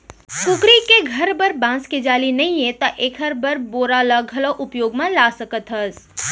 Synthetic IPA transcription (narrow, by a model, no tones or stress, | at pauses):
kʊkɾikeɡʱəɾbəɾbãːsked͡ʒaːlinɐĩjẽt̪ɐʔeːkʰəɾbəɾboːɾalaɡʱɐloʔʊpjoːɡmãlaːsəkət̪ɦəs